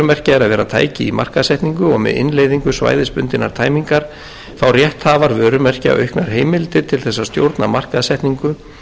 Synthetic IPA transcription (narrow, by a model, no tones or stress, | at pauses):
ʏmɛr̥caɛɾaðvɛːɾat̪ʰa̰ːjcɪima̰r̥kaðsɛht̪niŋkʏɔɣmɛ̰ðɪ̰nleːjðiŋkʏsva̰ːjðɪspʏnt̪ɪna̰ɾ̥t̪ʰaːjmiŋkaɾ̥ | θawrjɛht̪haːvaɾvœːɾʏmɛr̥cɪa̰wœɥhknaɾ̥ɦeːjmɪlt̪ɪt̪ʰɪlθɛsːast̪jo̰wɾt̪namar̥kaðsɛht̪niŋkʏ